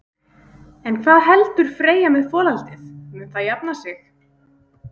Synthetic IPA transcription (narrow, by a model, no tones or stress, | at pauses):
ɛnkʰvaːðɦɛlt̪ʏɾ̥fɾeːjamɛðfɔːlalt̪ɪθmɪnθaðjap̚nasɪx